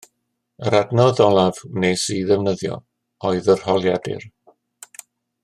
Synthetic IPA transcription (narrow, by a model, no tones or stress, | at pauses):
əɾadnɔðɔlˠavnesiðɛvnəðjɔ̰ | ɔɨðər̥hɔlˠjadɪ̰r